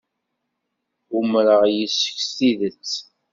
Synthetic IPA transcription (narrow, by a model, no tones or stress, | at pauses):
umɾəʁjəsːə̥ksθiðət͡sː